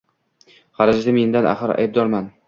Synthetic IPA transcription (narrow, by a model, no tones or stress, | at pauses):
χɑɾad͡ʒd̪amend̪anʔa̰χɨɾa̰jb̚d̪ɒɾman